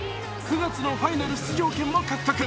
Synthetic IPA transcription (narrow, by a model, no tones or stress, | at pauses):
kɯ̟ɡat͡sɨno̞ɸainaɾɯ̟ɕtɨʑo̞ːkẽmːokakɯ̥kːakɯ̟